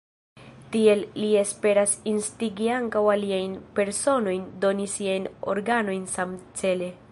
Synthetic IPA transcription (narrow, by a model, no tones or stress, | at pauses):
tie̞lːie̞spe̞ɾasinstiɡiaŋkawaliajnpe̞ɾso̞no̞jndo̞nisiajno̞̰ɾɡano̞jnsamt͡se̞le̞